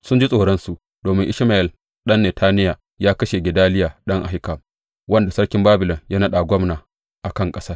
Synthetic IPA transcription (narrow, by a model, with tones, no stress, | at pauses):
sʊ˦nd͡ʒi˦sʼoː˨ɽɐ˦nsu˨ʔ | d̥oː˨mɪ˦ŋʔɪ˦ʃma˨ʔɛ˨l | ɗɐ˦nːe˨tʰaː˦nɪ˦ja˨ | jaː˦kɐ˦ʃe˨ɡʲɪ˨daː˦lɪ˦jaː˨ɗɐ˦ŋʔa̰˨ɦɪ˦ka˨m | wɐ˦nda˨sɐ˦ɽkʲɪ˦mbaː˦bɪ˨lɔ˨ŋjaː˦nɐ˦ɗa˨ɡʷɔ˦mnaː˨ | ʔa˨kɐ˦ŋkʼɐ˦saː˦r